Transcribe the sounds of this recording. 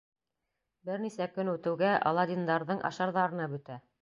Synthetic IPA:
bɘɾnisækɵnʉt̪ɘ̆wɡæʔɑ̰lˠɑd̪ʲind̪ɑɾðɤɴʔɑ̰ʃɑɾðɑɾɤ̆nɑbɵ̆t̪æ

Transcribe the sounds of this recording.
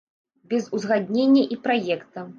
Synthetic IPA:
bʲɛzuzɣad̪ʲnʲenʲːɐʔipɾajɛkt̪ɐ

